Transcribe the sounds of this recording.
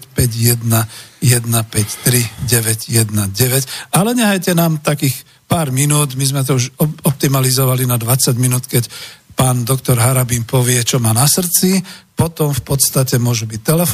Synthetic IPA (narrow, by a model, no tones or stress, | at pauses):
pɛɟjɛd̪najɛd̪napɛct̪ɾiɟɛʋɛɟjɛd̪naɟɛʋɛcalɛɲɛɦajcɛnaːmt̪akiːx | paːɾminuːd̪mizmɛt̪̬ɔuʒɔɔp̚t̪imalizɔʋalinad̪ʋat͡saɟminuːt̪kɛcpaːnd̪ɔkt̪ɔɾɦaɾabimpɔʋɪɛt͡ʃɔmaːnasr̩t͡sipɔt̪ɔmfpɔt̪st̪acɛmʊɔʒubic̚t̪ɛlɛf